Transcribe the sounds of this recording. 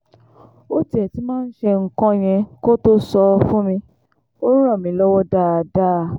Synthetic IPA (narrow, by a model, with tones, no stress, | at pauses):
o˦ti˦ɛ˨ti˨˦mãː˦˧n̩˦ʃe˧ŋ̩˦kɔ̃˦j̃ɛ̃˧ko˦to˦sɔ˧fũ˦mĩ˧ | o˦ɾã˦˨mĩ˨˦lɔ˦wɔ˦da˦a˧˨da˦˨